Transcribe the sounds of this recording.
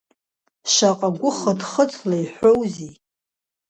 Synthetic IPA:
ʃaqʼaɡʷʊχədχət͡sʼʰlajħʷowzi

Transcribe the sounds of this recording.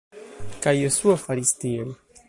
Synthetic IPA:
kajəsuafaɾist̪iel

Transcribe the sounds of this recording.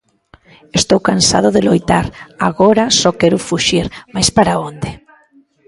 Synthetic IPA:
est̪owkansa̰ð̞ʊðɪlojt̪aɾaɣoɾasɔkɛɾʊfuʃiɾmajspaɾaond̪ɪ

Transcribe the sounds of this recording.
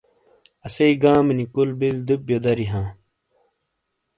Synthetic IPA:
ɐsɐiɡãːminikulbild̪up̚jod̪ɐɾiɦãː

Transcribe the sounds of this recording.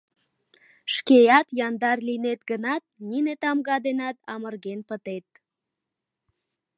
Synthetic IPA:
ʃkejɑt̪jɑnd̪ɑrlinet̪ɡənɑt̪̚ninet̪ɑmɣɑd̪enɑt̪ɑmərɣenpət̪et̪̚

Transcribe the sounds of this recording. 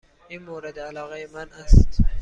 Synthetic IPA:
inmoɾed̪eælɒːɣejemænæst̪

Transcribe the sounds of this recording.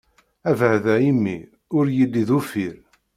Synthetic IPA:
ævəʕðæimːḭ | ʊɾjilːiðufiɾ

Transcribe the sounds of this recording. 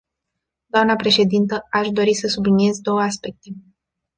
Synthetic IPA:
d̪oamnəpɾe̞ʃe̞d̪int̪əaʃd̪o̞ɾisəsublinije̞zd̪o̞wəaspe̞k̚t̪e̞

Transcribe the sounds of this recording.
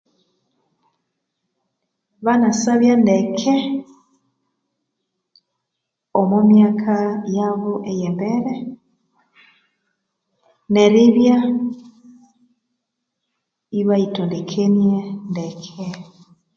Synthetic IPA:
βanasaβjandɛkʰe | omomjakʰajaβoʔejɛmbɛɾɛ | neɾiβja | iβaitondekʰenjendɛkʰe

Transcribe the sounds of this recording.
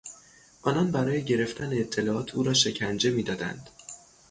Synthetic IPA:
ʔɒːnɒnbæɾɒːje̞ɟe̞ɾe̞ft̪ʰæneːt̪ʰːe̞lɒːʔɒːt̪ʰuːɾɒːʃe̞cʰænd͡ʒe̞miːd̪ɒːd̪æ̰nd̪̥

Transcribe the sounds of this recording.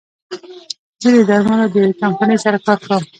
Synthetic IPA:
zəd̪əd̪aɾmalad̪əkampanəjsaɾakɑɾkawəm

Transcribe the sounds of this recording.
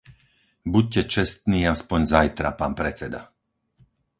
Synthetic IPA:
buc̚cɛt͡ʃɛst̪niːaspɔɲzajt̪ɾa̰paːnpɾɛt͡sɛd̪a

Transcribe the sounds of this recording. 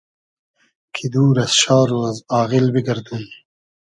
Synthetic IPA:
kʰid̪uːɾɐsʃɑːɾoːzɑːɣilbiɡɐɾd̪un

